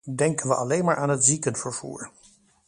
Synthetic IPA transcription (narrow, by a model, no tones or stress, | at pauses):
dɛŋkənʋəʔɑlejnmaːɹʔaːnɦətzikənfəɹv̥ṵːɹ